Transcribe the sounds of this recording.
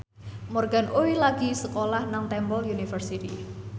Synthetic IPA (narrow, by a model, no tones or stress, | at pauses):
mɔrɡanʔowilaɡ̥i̤səkolahnaŋt̪ɛmbɔljunifərsit̪ḭ